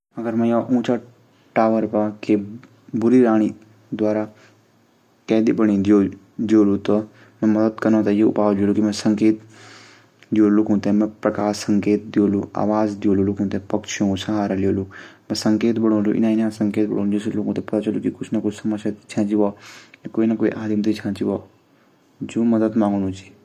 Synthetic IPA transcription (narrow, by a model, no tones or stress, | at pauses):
ɐɡəɾmɛ̃jaʔũːt͡ʃa | ʈaːʋəɾpake | bʊɾiɾaːɽ̃i | d̪ʋaːɾa | kɛːd̪ibəɽ̃ĩd̪ijo | d̪ijoːlũt̪ɔ | mɛ̃mɐd̪əd̪kɐnõt̪ajeʊ̰paːʋlijoːlukimɛ̃sɐ̃ŋkeːt̪ | d͡ʒijoːlokũːt̪ẽmẽpɾɐkaːsɐ̃ŋkeːt̪̚d̪ijoːlua̰ːʋaːzd̪ijoːlulukũnt̪ẽpɐkʃʰiõsɐɦaːɾalijoːlũmɛ̃səŋkeːt̪bəɽ̃õːlṵʔɪ̰nãːɪnãsə̃ŋkeːt̪̚bə̰ɽ̃oːñd͡ʒesloːkũt̪epɐt̪aːt͡ʃɐlukikʊt͡ʃʰnakʊt͡ʃʰsɐmaʃat̪i̥t͡ʃʰãːt͡ʃiʋajakoːinakoːḭʔaːd̪imt̪it͡ʃʰãːt͡ʃiʋaː | d͡ʒoːməd̪əd̪mãːŋɡnũt͡ʃʰi̥ː